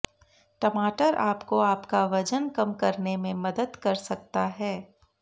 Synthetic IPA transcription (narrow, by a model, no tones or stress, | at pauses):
ʈɐmaːʈəɾʔa̰ːpkoaːpkaʋɐd͡ʒənkɐmkɐɾnẽmẽmɐd̪əd̪kɐɾsɐk̚t̪aɦɛː